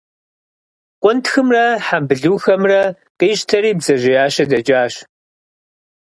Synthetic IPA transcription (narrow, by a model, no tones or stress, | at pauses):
qʷʼʊntxɨmrɐħambɨɮuːxɐmrɐ | qiːɕtʰɐɾiːbzɐʑɪjaːɕɐdɐd͡ʒaːɕ